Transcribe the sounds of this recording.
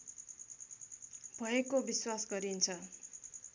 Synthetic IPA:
bʱʌekobiswasɡʌɾint͡sʰʌ

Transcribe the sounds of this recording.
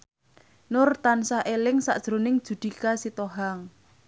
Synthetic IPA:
nʊrt̪ansaʔelɪŋsa̰ʔd̥ʒ̥ɾonɪŋd̥ʒ̥ṳd̪̥i̤kasit̪oɦaŋ

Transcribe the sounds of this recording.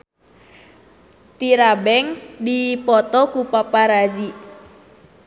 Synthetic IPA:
t̪iɾabɛŋsdipɔt̪ɔkupapaɾazi

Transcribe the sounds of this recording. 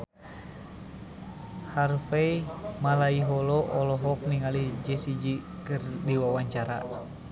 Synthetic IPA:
harfeimalaiɦɔlɔʔɔlɔɦɔk̚niŋalid͡ʒɛsid͡ʒikɨrdiwawaɲt͡ʃaɾa̰

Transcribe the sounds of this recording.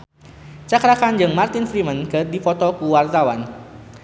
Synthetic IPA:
t͡ʃakɾakand͡ʒɨŋmart̪ɪnfɾimənkədifɔt̪ɔkuwart̪awan

